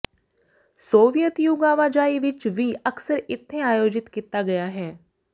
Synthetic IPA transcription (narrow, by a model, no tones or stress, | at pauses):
soːʋijət̪juɡaːʋaːd͡ʒaːiʋɪt͡ʃʋiːəksəɾɪt̪ʰːẽaːjoːd͡ʒɪt̪kiːt̪aːɡɐjaːɦɛː